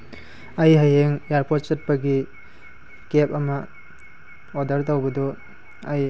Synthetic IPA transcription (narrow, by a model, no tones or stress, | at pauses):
ɐjɦɐjeŋjaɾpʰot̚t͡ʃɐt̚pɐɡi | kep̚ɐmɐ | odɐɾt̬ɐwbɐdo | ɐj